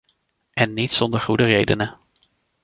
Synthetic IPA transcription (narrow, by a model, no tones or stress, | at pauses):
ʔɛnːitsɔndəɹχudərejdənə